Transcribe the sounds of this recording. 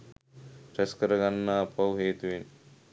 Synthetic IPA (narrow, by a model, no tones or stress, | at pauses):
pɾɛskəɾəɡanːaːpɐwɦeːt̪uʋin